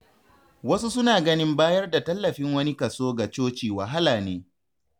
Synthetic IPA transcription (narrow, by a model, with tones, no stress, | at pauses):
wɐ˦su˦sʊ˦naː˨ɡɐ˦nɪ˦mbaː˦jɐ˦rda˨tɐ˦lːɐ˨ɸɪ˦ŋwɐ˦ni˦kɐ˨soː˦ɡa˨t͡ʃoː˦t͡ʃiː˨wɐ˨ɦa˦laː˨neː˦